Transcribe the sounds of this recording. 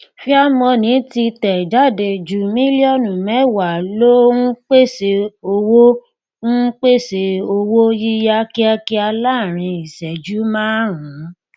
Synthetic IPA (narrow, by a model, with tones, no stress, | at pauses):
fi˦a˦mɔ̃˧nĩ˨˦ti˧tɛ˨d͡ʒa˦˨de˧d͡ʒu˨mĩ˦li˦ɔ˦˨nũ˨mɛ˨˦˨wa˨lo˦n̩˦k͡pe˦˨se˧o˧wo˦ | ŋ̩˦k͡pe˦˨se˧o˧wo˦ji˦ja˦ki˦a˧ki˦a˧la˦˨ɾ̃ĩ˧i˨sɛ˨d͡ʒu˨˦mãː˦ɾã˨˦